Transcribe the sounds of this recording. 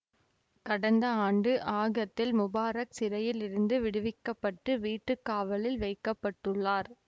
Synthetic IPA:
kɐɽɐnd̪ɐaːɳɖɯʔaːɣɐt̪ːɪlmʊbaːɾɐk̚sɪɾɐjɪlɪɾɯnd̪ɯʋɪɽɯʋɪkːɐpːɐʈːɯʋiːʈːɯkːaːʋɐlɪlʋɐɪkːɐpːɐʈːɯɭːaːɾ

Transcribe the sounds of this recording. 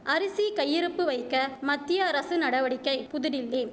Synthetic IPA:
ʔɐɾɪsikɐjːɪɾɯpːɯʋɐɪkːɐmɐt̪ːɪjɐːɾɐsɯnɐɽɐʋɐɽɪkːɐɪpʊðɪɽɪlːeː

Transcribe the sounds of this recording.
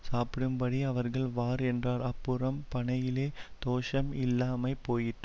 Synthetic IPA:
saːpɪɽɯmpɐɽiɐʋɐɾɣɐɭʋaːɾɛndraːɾɐpːɯɾɐmpɐɳɐjɪleːt̪oːʂɐmɪlːaːmɐɪpːoːjɪʈːɯ

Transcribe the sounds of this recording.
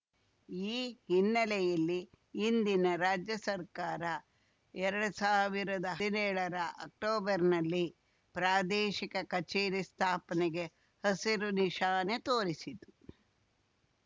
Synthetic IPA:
iːhinːɐlɛjɐlːiː | nd̪inɐɾaːd͡ʒjɐsɐɾkaːɾɐ | ɛɾɐɽusaːʋiɾɐd̪ɐɦinɛːɭɐɾɐʔɐk̚ʈoːbɐɾnɐlːi | pɾaːd̪ɛːʃikɐkɐt͡ʃeːɾist̪ʰaːpɐneɡe | hɐsiɾuniʃaːnet̪oːɾisit̪u

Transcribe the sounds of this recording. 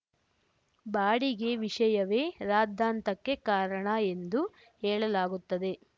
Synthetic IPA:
baːɽiɡe̞ʋiʂɐjɐʋe̞ːɾaːd̪ʱːaːnt̪ɐkːe̞kaːɾɐɳɐe̞nd̪u | hɛːɭɐlaːɡut̪ːɐd̪e̞

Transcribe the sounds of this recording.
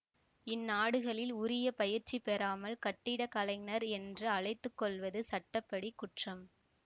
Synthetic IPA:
ɪnːaːɽɯɣɐɭɪlʊɾɪjɐpɐjɪɾt͡ʃːipɛɾaːmɐlkɐʈːɪɽɐkɐlɐɪŋnɐɾɛndrɯɐɭɐɪt̪ːɯkːɔɭʋɐðɯsɐʈːɐpːɐɽikːʊʈrɐm

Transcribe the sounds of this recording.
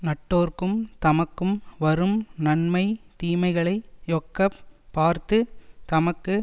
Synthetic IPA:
nɐʈːoːrkɯmt̪ɐmɐkːɯmʋɐɾɯmnɐnmɐɪt̪iːmɐɪɣɐɭɐɪjoːkːɐpːaːɾt̪ɯt̪ɐmɐkːɯ

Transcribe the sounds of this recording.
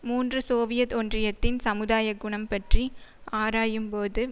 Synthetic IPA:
muːndrɯsoːʋɪjɐt̪ɔndrɪjɐt̪ːɪnsɐmɯðaːjɐɡʊɳɐmpɐʈriʔaːɾaːjɯmpoːðɯ

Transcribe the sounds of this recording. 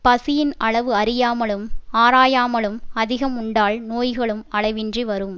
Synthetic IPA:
pɐsɪjɪnʔɐɭɐʋɯɐɾɪjaːmɐɭɯmaːɾaːjaːmɐɭɯmɐðɪɣɐmʊɳɖaːlnoːjɣɐɭɯmɐɭɐɪʋɪndriʋɐɾɯm

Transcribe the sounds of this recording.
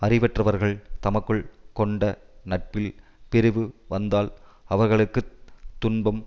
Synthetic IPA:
ɐrɪʋɛʈrɐʋɐɾɣɐɭt̪ɐmɐkːɯɭkɔɳɖɐnɐʈ̚pɪlpɛɾɯʋɯʋɐnd̪aːlɐʋɐɾɣɐɭɯkːɯt̪ːʊnbɐm

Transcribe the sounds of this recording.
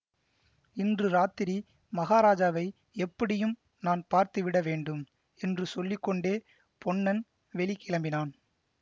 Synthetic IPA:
ɪndrɯɾaːt̪ɪɾi | mɐɣaːɾaːd͡ʒaːʋɐɪ | ɛpːɐɽɪjɯm | naːnpaːɾt̪ɯʋɪɽɐʋeːɳɖɯm | ɛndrɯsɔlːɪkːɔɳɖeː | pʰɔɳːɐn | ʋɛɭɪkːɪlɐmbɪnaːn

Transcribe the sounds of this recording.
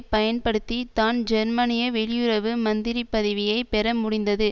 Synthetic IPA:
pɐjɐnpɐɽɯt̪ːit̪aːnd͡ʒɛɾmɐnɪjɐʋɛɭɪjɯɾɐʋɯmɐnd̪ɪɾipːɐðɪʋɪjɐɪpɛɾɐmʊɽɪnd̪ɐðɯ

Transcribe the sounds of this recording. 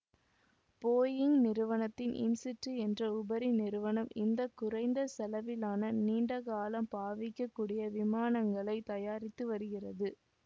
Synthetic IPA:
poːjɪŋɡnɪɾɯʋɐnɐt̪ːɪnʔɪ̰nsɪʈrɯɛndrɐʊbɐɾinɪɾɯʋɐnɐmɪnd̪ɐkːʊrɐɪnd̪ɐsɐlɐʋɪlaːnɐniːɳɖɐɣaːlɐmpaːʋɪkːɐkːuːɽɪjɐʋɪmaːnɐŋɡɐɭɐɪt̪ɐjaːɾɪt̪ːɯʋɐɾɯɣɪrɐðɯ

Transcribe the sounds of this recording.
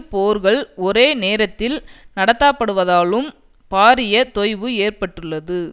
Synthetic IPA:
poːɾɣɐɭɔɾeːneːɾɐt̪ːɪlnɐɽɐt̪ːaːpːɐɽɯʋɐðaːlɯm | paːɾɪjɐt̪ɔjʋɯeːrpɐʈːɯɭːɐðɯ

